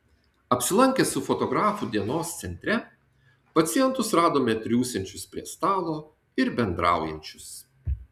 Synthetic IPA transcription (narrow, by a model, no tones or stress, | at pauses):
ɐpʲsʲɪlˠɐŋʲkʲɛsʊfɔt̪ɔɡɾɑːfud̪ʲiɛnoːst̪sʲɛnʲt̪ʲɾʲɛ | pɐt̪sʲɪjɛnt̪ʊsɾɑːd̪oːmʲɛt̪ʲɾʲuːsʲɛnʲt͡ʃʲʊspʲɾʲiɛst̪ɑːlˠoː | ɪɾbʲɛnd̪ɾɑ̰ˑʊjɛ̰nʲt͡ʃʲʊs